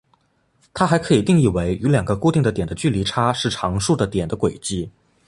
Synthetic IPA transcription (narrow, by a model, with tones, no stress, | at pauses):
t̪ʰa˥xa˧˥ɪkʰɤ˧˥i˨˩t̪i˥˧ŋi˥˩we˧˥ɪy˧˥ljɑ˨˩ŋɡə˦ku˥˧t̪i˥˩ŋd̪ə˩t̪jɛ˨˩nd̪ə˦t͡ɕy˥˩li˧˥ʈ͡ʂʰa˥ʂɻ̩˥˩ʈ͡ʂʰɑ˧˥ŋʂu˥˩d̪ə˩t̪jɛ˨˩nd̪ə˦kwe˨˩ɪt͡ɕi˥˩